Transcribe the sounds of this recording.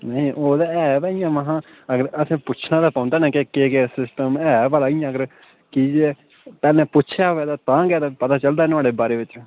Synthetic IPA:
nəĩʔoːd̪aɛːbaːijãːmaɦãː | əɡəɾəsĩːpʊt͡ʃʰnãːd̪aːpãːʊnd̪aːnɛ̃ːkekeːɡeːsɪsʈəmɛːbaːlaːijãːəɡəɾ | kiːd͡ʒieː | pɛːlnɛ̃ːpʊtːt͡ʃʰjaːoɛːd̪aːt̪ãːɡɛːd̪aːpət̪aːt͡ʃəld̪aːnaːɽeːbaːɾeːʋɪt͡ʃ

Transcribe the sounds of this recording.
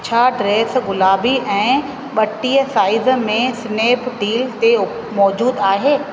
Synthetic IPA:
t͡ɕʰaɖɾeːsɣʊlaːbiʔɛ̃ː | ɓɐʈːiːəsaːɪzmẽsneːpʰɖiːlt̪eʊ | mɔːd͡ʑuːd̪aːɦeː

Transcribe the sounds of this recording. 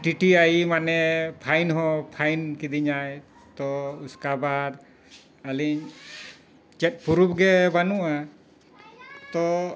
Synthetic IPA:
ʈiʈiajimanɛpʰajnɦɔ̃pʰajnkid̪iɲaj | t̪ɔuskabaɾ | aliɲ | t͡ʃɛt̪̚puɾup̚ɡɛbanuʔa | t̪ɔ

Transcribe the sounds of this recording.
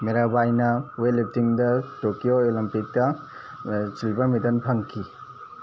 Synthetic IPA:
meɾabajnɐwelip̚tiŋdɐtokijoolimpik̚tɐ | silbɐɾmidɐnpʰɐŋkʰi

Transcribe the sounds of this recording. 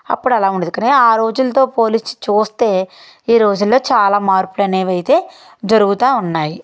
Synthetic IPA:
ɐ̰pːuɽɐlaːuɳɖed̪ukaːniaːɾo̞ːd͡ʒulɐt̪̬o̞ːpo̞ːlist͡ʃuːst̪e̞ː | iːɾo̞ːd͡ʒulːo̞ːt͡ʃaːlaːmaːɾpulɐneːʋɐjit̪e̞ː | d͡ʒɐɾuɡut̪aːunːaːji

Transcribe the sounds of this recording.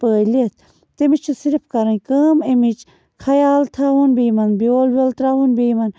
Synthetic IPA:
pəːlit̪̚ʰ | t̪emit͡ʃʰusiɾpʰkɐɾɐnʲkəːmemit͡ʃ | kʰɐjaːlt̪ʰaːʋunbiːmɐnbijoːlbolt̪ɾaːʋunbiːmɐn

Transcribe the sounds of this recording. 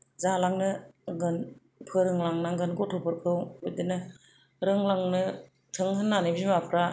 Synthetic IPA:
zalaŋnɯɡɯn | pʰɯɾɯŋlaŋnaŋɡɯnɡɔtʰɔpʰɯɾkʰɯwɯdɯnɯ | ɾɯŋlaŋnɯ | tʰɯŋɦɯnːanɯbzimapʰɾa

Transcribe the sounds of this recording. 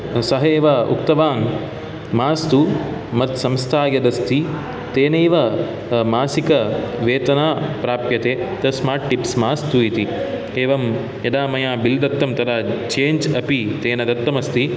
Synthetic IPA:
sɐɦeːʋɐʔṵk̚t̪ɐʋaːn | maːst̪umɐt̪sɐmst̪ʰaːɡɐd̪ɐst̪i | t̪eːneːʋɐ | maːsikɐʋeːt̪ɐnaːpɾaːpjɐt̪eːt̪ɐsmaːɾʈʈipsmaːst̪uit̪i | eːʋɐm | jɐd̪aːmɐjaːbild̪ɐt̪ːɐmt̪ɐd̪aːt͡ʃeːɲd͡ʒɐpit̪eːnɐd̪ɐt̪ːɐmɐst̪i

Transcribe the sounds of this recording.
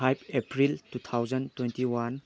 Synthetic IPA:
ajpʰepʰɾiltut̪ʰawd͡ʒɐntwentiwan

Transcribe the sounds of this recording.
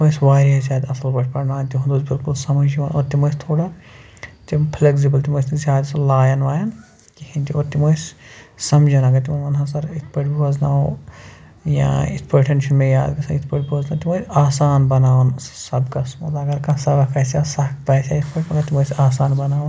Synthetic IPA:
t̪mojsʋaːɾʲɐsʲaːd̪ʲɐsɐlbɐʈʰpɐɽnaːnʲt̪iɦund̪oːzbilkulsɐmɐd͡ʒiʋɐno̰ːɾt̪imojst̪ʰoːɽɐ | t̪impʰleks̬ibɐlt̪imosʲnsʲjaːd̪ʲɐsɐlaːjɐnʋaːjɐn | kihinʲt̪ioːɾt̪imojssɐmd͡ʒɐnaɡɐt̪imɐmɐnɦasɐɾit̪ʰpɐʈbuɐzna̰ː | jã̰ːit̪ʰpɐʈʰenʃɐnmejaːd̪kɐsɐnit̪ʰpɐʈbuɐznaːt̪imojsʲaːsaːnbɐnaːwnssɐbkɐsmo̰t̪ɐɡɐɾkãsɐbɐkʰɐsasɐkpɐsʲjaːit̪ʰpɐʈʲpɐnat̪imojsʲaːsaːnbɐnaːwn

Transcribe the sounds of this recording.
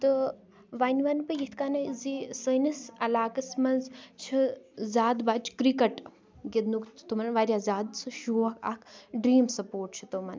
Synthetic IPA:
t̪ɨ | ʋanʲʋɐnpɨjit̪ʰkaːnɐzisənɐsɐlaːkɐsmɐnzt͡ʃʰizaːd̪bat͡ʃʰkɾikɐʈ | ɡed̪nukʰt̪umɐnʋaːɾʲjaːzaːd̪sɨʃuːɐkʰa̰kʰɖɾiːmsɐpoːʈ̚t͡ʃʰɨ̥t̪omɐn

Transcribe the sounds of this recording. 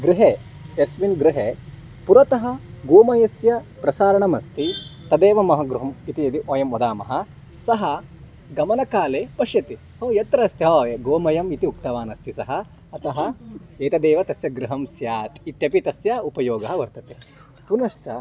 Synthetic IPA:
ɡɾiɦeː | esʋinɡɾɪɦe | puɾɐt̪ɐɦɐ̆ɡoːmɐjɐsjɐpɾɐsaːɾɐɳɐmɐst̪it̪ɐd̪eːʋɐmɐɦɐɡɾuɦɐmit̪iɐt̪iʔoːjɐmɔd̪aːmɐ̰ɦɐ̆ | sɐɦɐ | ɡɐmɐnɐkaːleːpɐʂjɐt̪i | ɦoːjɐt̪ɾɐːst̪jɐoɡoːmɐjɐmit̪iuk̚t̪ɐʋaːnɐst̪isɐɦɐ | ɐt̪ɐɦɐeːt̪ɐd̪eːʋɐt̪ɐsjɐɡɾuɦɐmsjaːt̪it̪jɐpit̪ɐsjɐupɐjoːɡɐɦɐʋɐɾt̪ɐt̪e | punɐʃt͡ʃɐ

